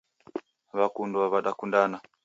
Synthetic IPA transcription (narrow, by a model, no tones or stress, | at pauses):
βakundwaβaɗakundana